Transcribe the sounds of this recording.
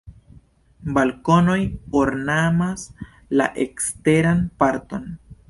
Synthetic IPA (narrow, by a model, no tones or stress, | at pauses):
balkono̞joɾnamas | la̰ʔekste̞ɾanpaɾto̞n